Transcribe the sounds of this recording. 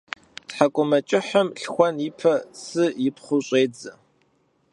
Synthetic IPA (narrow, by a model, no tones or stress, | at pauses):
tħakʷʼʊmɐt͡ʃʼɪħɐmɬxʷɔnɪpʰɐsɨjɪpχʷʊɕʼeːd͡zɐ